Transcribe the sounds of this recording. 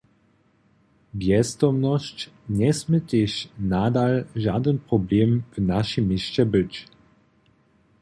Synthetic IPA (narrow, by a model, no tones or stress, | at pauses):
bjɛst̪ɔmnɔɕt͡ɕ | ɲɛsmɘt̪ʲeɕnad̪alʒad̪ənpɾɔblʲɛmvnaʃimːiɕt͡ɕɛbɘt͡ɕ